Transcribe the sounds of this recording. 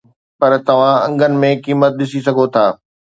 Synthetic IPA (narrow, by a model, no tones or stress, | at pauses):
pɐɾt̪ɐʋ̤ãɐ̰̃ŋɡʱənɪ̆mẽkiːmət̪̚ɗɪsisɐɡʱot̪ʰaː